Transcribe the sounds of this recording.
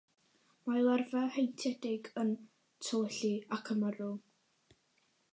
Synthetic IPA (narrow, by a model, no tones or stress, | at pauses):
majlˠɛrvahejntʰɛdɪɡən | tʰoːɬiakʰəməɾʊlˠ